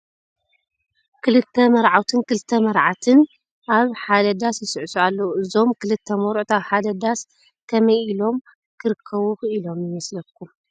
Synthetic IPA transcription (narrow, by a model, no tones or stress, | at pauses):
kʰɨlɨt̪ʰːɐmɐɾʕawt̪ʰɨnkɨlɨt̪ʰːɐmɐɾʕat̪ʰɨn | ʔaβħad̪ɐd̪asjɪsɨʕsualːɐuɨzo̞mkʰɨlɨt̪ʰːɐmoɾʔt̪aβħad̪ɐd̪as | kʰɐmɐjilo̞m | kʰɨɾɨkʰːɐβuxɨilo̞mjɨmɐslɐkʰːum